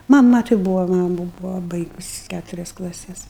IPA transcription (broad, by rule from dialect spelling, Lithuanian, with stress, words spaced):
mɐˈmɐ tɐɪ ˈbuːʋoː ˈmɑːmʊ ˈbuːʋoː ˈbɐɪɡʊsʲɪ ˈkʲætʊrʲɛs klˠɐˈsʲɛs